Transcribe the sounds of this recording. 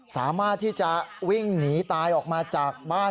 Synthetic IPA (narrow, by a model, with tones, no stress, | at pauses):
sa̰ː˩˦maː˥˩t̪ʰːiː˥˩t͡ɕa˨˩wi˥˩ŋniː˩˦t̪aː˧jʔɔː˨˩k̚maː˧t͡ɕaː˨˩k̚baː˥˩